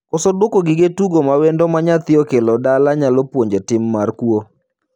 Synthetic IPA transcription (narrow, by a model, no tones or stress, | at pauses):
kɔsɔdwokoɡɪɡetuɡomawendomaɲat̪ɪɔkelɔdalaɲalɔpwoɲd͡ʒetɪmːarkwo